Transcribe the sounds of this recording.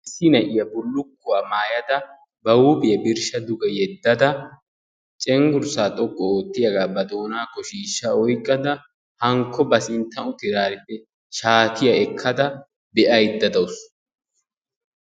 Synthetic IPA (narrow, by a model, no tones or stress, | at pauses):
ɪsːɪnɐʔɪjɐbʊlːʊkːʊwaːmaːjɐd̪ɐ | bɐwubɪjɐbɪɾʃɐd̪ʊɡɛjɛd̪ːɐd̪ɐ | t͡ʃʼɛŋɡʊɾsaːt̪ʼɔkʼːɔoːt̪ːɪjɐɡaːbɐd̪oːnaːkːɔʃiːʃːaɔjkʼːɐd̪ɐ | hɐŋkːɔbɐsɪnt̪ːɐʔʊt̪ɪɾaːɾɛt̪ːɛ | ʃaːt̪ɪjɐɛkʰːɐd̪ɐ | bɛʔɐjɪd̪ːɐd̪ɐʊs